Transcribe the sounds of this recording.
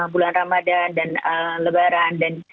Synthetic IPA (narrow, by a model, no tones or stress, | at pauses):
bulanramadadanələbaɾandan